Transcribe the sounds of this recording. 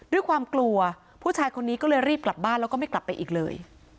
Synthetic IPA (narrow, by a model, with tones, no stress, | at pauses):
du˥˩əjkʰwaː˧mklu˧ɐ | pʰuː˥˩t͡ɕʰaː˧jkʰo˧nːiː˦˥kɔː˥˩lɤː˧jɾiː˥˩p̚kla˨˩p̚baː˥˩nlɛː˦˥wkɔː˥˩ma˥˩jkla˨˩pːa˧jʔiː˨˩k̚lɤ̰ː˧j